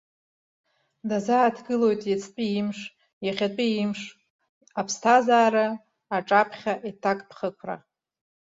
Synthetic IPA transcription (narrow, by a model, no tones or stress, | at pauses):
dazaːtʰɡɨlo̞jtʼjat͡sʰʼpʲʷʼiimʂ | jaχʲat͡pʷʼiimʂ | apʰstʰazaːɾa | aʈ͡ʂʼapʰχʲaʔitʰakʼpʰχəkʷʰra̰